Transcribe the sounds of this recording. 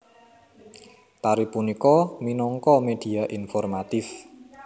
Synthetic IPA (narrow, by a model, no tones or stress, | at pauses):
t̪aɾipunikɔminɔŋkɔmed̪̥i̤aʔinfɔrmat̪ɪf